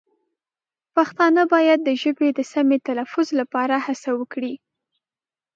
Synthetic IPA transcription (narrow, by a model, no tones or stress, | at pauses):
paxt̪ɑnəbɑjad̪̚ːəʒəbed̪əsamet̪alafʊzlapɑɾahasawəkɽi